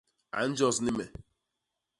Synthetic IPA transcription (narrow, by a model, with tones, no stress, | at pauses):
a̰˨˦n̩˦d͡ʒɔ˦snɪ˦me˨